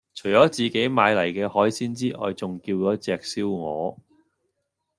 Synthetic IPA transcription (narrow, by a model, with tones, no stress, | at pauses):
t͡ʃʰɵ˨˩ɥt͡ʃɔː˨˥t͡siː˨ke˨˥jmaː˨˧jlɐ˨˩jkɛː˧hɔː˨˥jsiː˥nt͡siː˥ʔɔ̰ː˨˧jt͡sʊ˨ŋkiː˧wjɔː˨˥t͡sɛː˨k̚siː˥wŋɔ̰ː˨˧